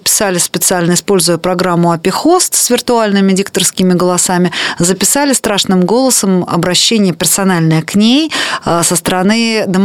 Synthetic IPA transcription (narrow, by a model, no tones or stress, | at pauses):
pʲɪ̥salʲɪspʲɪt̪sɨalʲnəɪspo̞lʲzʊjəpɾɐɡɾamːʊɐpʲɪxost̪svʲɪrt̪ʊalʲnɨmʲɪdʲik̚t̪ərskʲɪmʲɪɡəlˠɐsamʲɪzəpʲɪsalʲɪst̪ɾaʂnɨmɡo̞lˠəsəmɐ̰bɾɐɕːenʲɪjəpʲɪrsɐnalʲnəjəknʲejsəst̪əɾɐnɨd̪əm